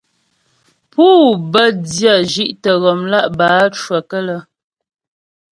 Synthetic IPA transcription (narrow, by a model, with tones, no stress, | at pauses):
puː˦bə˦dja˦˨ʒi˦ʔtə˨ɣɔ˨mla˦ʔbaː˨˦t͡ʃwə˨kə˦lə˦